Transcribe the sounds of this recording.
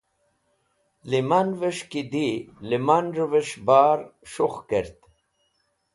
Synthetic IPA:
limanvəʂkid̪ilimanɾveʂbaːɾʂuχkeɾt̪

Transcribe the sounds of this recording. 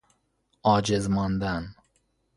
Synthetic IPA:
ɒːd͡ʒezmɒːnd̪an

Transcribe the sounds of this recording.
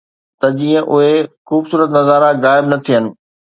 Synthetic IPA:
t̪ɐd͡ʑiːə̃ʔʊɦexuːbsuːɾət̪nɐzaːɾaɣaːɪbnɐt̪ʰiɦənɪ̆

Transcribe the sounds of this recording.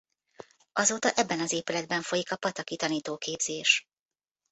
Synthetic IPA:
ɒzoːt̪ɒʔɛbːɛnɒzeːpylɛd̪̚bɛɱfojikɒpɒt̪ɒkit̪ɒniːt̪oːkeːbz̥eːʃ

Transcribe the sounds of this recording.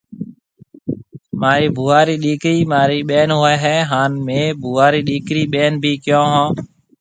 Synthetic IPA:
maːɾiːbʱuːaːɾiːɗiːkɾiːmaːɾiːɓeːnɦoːɛːɦɛːɦaːnmẽːbʱuːaːɾiːɗiːkɾiːɓeːnbʱiːkjõːɦãː

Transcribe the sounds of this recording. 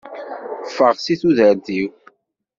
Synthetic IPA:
fːəʁsiθuðəɾθiw

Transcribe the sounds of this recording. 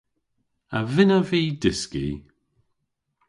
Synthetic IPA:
ə̰vɪnəviːdɪskḭ

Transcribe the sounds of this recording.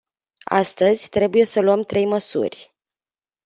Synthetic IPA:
a̰st̪əzʲt̪ɾe̞buje̞səluəmt̪ɾe̞jməsṵrʲ

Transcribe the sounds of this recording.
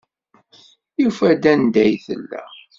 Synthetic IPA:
jufæd̪ænd̪æjθə̰lːæ̰

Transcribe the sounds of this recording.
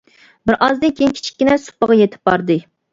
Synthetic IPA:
bɪɾʔɑzd̪ɨnkʲʰejinkʲʰi̥t͡ʃʰi̥kʲːɪnɛsu̥pːəʁɑjet̪ʰɪ̥p̚bɑɾd̪ɨ

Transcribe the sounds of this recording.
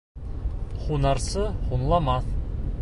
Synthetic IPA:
χunɑɾsɤχunlˠɑmɑθ

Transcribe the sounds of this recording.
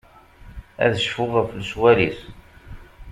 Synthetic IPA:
æ̰ðəʃfʊʁəflswælis

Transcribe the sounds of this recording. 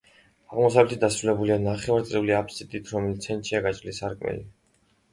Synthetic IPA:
aʁmɔsavlɛt̪id̪asɾulɛbulianaχɛvaɾt̪sʼiuliapʰsit̪ʼit̪ʰɾɔmɛlit̪sʰɛnt̪ʃʰiaɡat͡ʃʼɾilisaɾkʼmɛ̰lḭ

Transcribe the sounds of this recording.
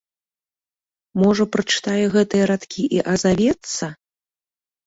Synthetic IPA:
mɔʐɐpɾɐt͡ʂɨ̥t̪ajɛɣɛt̪ɨjɛɾat̪kʲʰiʔiʔɐzavʲɛt̪sːɐ

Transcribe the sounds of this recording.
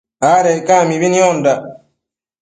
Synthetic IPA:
aɾɛkamiβiniɔnda

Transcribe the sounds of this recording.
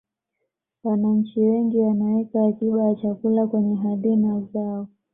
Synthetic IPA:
wanaɲ̩t͡ʃiwɛŋɡiwanawɛkaːtiɓajat͡ʃakulakwɛɲɛɦalinazaɔ

